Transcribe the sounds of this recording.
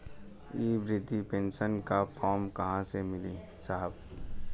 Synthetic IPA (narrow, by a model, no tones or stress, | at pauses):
iːbɾɪt̪ipẽːnsənkapʰɔːɾmkɐɦãsemɪliː | saːɦəb